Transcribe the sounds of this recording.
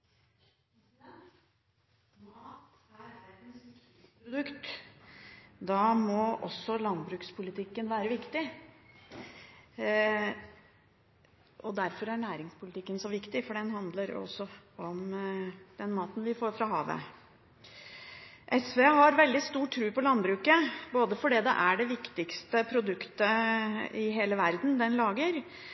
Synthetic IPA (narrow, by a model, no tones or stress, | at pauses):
mɑːt̪ | æɾæt̪nst̪ːpɾʊd̪ʉkt̪ | d̪ɑmɔʔɔ̰sːɔlɑnbɾʉːkspʰʊlɪt̪ʰɪkːənʋæːɾəʋɪkt̪ɪ | ʔɔd̪æɾfɔɾæɳæːɾɪŋspʊlɪt̪ʰɪkːənsɔʋɪkt̪ɪfɔɖɛnhɑnd̪ləɾ̰ɔ̰sːɔɔm | d̪̥ɛnmɑːt̪n̩ʋɪfoːɾfɾɑɦɑ̰ːʋə̰ | ʔɛsʋeːɦɑɾʋɛld̪ɪst̪uːʈʰːɾʉːpɔlɑnbɾʉːkəboːd̪əfɔɖɛd̪ɛ̰ʔæɖɛʋɪkt̪ɪkst̪əpʰɾʊd̪ʉkt̪ə | ɪɦeːləʋæɾd̪n̩d̪ɛnlɑːɡəɾ